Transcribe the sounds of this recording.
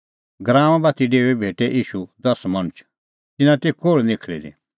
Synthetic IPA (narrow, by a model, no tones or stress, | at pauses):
ɡɾaːm̃ãbaːt̪iɖeːɛbʱeːʈɛʔiːʃud̪ɐsmɐñət͡ʃʰ | t̪ɪnãt̪eːkʰoːɭnɪkʰɭḭd̪ḭ